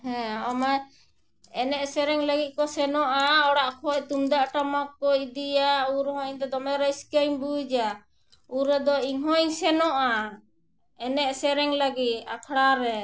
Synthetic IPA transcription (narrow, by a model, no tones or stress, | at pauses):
hɛ̃ɔma | ɛnɛʔsɛɾɛŋləɡit̪̚ˀkɔsɛnɔʔaɔɽaʔkʰɔc̚t̪umd̪aʔʈamakːɔid̪ijauɾɦɔ̃ɲd̪ɔd̪ɔmɛɾajskejɲbud͡ʒa | uɾɛd̪ɔiŋɦɔɲsɛnɔʔa | ɛnɛʔsɛɾɛŋləɡit̪̚a̰kʰɽaɾɛ